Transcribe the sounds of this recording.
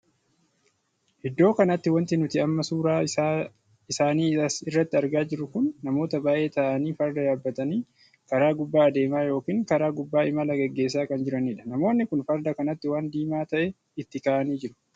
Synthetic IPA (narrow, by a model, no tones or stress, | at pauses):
hɪd̪ːo̞ːkɐnɐt̪ːɪwɐnt̪ɪnʊt̪ɪɐmːɐsuːɾaː | ɪsaːniːsɪrːɐt̪ːɪɐɾɡaːd͡ʒɪɾʊkʊnːɐmo̞ːt̪ɐbaːʔe̞ːt̪ɐʔɐniːfɐɾd̪ɐjaːbːɐt̪ɐniː | kɐɾaːɡʊbːaːɐd̪e̞ːmaːjo̞ːkiːŋkɐɾaːɡʊbːaːɪmɐlɐɡɛɡːe̞ːs̬ːaːkɐnd͡ʒɪɾɐniːᶑɐ̥nɐmo̞ːnːɪkʊnfɐɾd̪ɐkɐnɐt̪ːɪwaːnd̪iːmaːt̪ɐʔɛ | ɪt̪ːɪkaːʔɐniːd͡ʒɪɾʊ̥